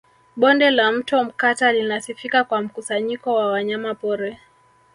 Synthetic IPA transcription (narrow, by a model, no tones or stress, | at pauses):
ɓɔndɛlam̩tɔm̩katalinasifikakwam̩kusaɲikɔwawaɲamapɔɾɛ